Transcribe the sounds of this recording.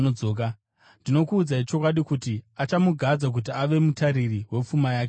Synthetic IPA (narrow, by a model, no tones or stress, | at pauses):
od͡zoːk̬a | ndino̞kuːd͡zait͡ʃo̞kwaɗikutiat͡ʃamuɡʱad͡zak̬ut̬iaʋe̞mutaɾiriɦwe̞p͡fumajaːke